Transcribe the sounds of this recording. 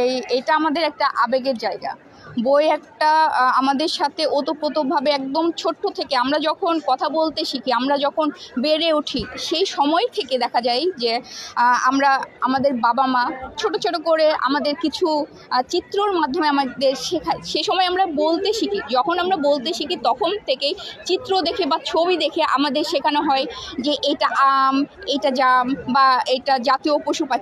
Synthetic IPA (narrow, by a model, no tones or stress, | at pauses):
ejejʈaamad̪eɾɛk̚ʈaʔabeɡeɾd͡ʑaeɡa̰ | boeɛkʈaamad̪eɾʃat̪ʰeʔot̪opɾot̪obʱabeɛk̚d̪omt͡ɕʰoʈːot̪ʰekeamɾad͡ʑɔkʰonkɔt̪ʰabolt̪eʃikʰiamɾad͡ʑɔkʰonbeɾeuʈʰiʃejʃɔmɔet̪ʰeked̪ɛkʰad͡ʑajd͡ʑe | amɾaamad̪eɾbabamat͡ɕʰoʈot͡ɕʰoʈokoɾea̰mad̪eɾkit͡ɕʰu | t͡ɕit̪ːɾoɾmad̪ʱːomeamad̪eɾʃekʰaʃeʃɔmɔeamɾabolt̪eʃikʰid͡ʑɔkʰonamɾabolt̪eʃikʰit̪ɔkʰont̪ʰekejt͡ɕit̪ːɾod̪ekʰebat͡ɕʰobid̪ekʰeʔa̰mad̪eɾʃekʰanoɦɔed͡ʑeʔejʈaʔamejʈad͡ʑambaejʈad͡ʑat̪iopoʃupa